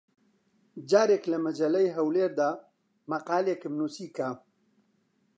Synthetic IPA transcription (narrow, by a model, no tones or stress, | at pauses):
d͡ʒaːɾeklɐmɐd͡ʒɐlɐjɦɐwleːɾd̪a | mɐqaːlekɪmnuːsiːka